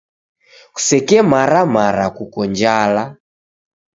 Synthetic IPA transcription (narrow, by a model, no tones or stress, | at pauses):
ku̥sɛkɛmaɾamaɾakukɔnd͡ʒala